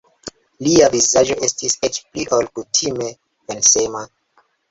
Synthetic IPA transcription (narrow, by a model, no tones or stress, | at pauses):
liavizad͡ʒo̞ʔe̞stiset͡ʃpliʔolkutʰime̞ | ensema